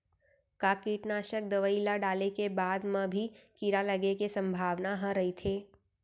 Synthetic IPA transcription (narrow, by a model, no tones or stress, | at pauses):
kaːkiːʈnaːʃək̚d̪ɐʋəilaɖaːlekebaːd̪mə̃bʱikiɾalɐɡekesɐ̃mbʱaːʋnaɦə̃ɾɐɦit̪ʰeː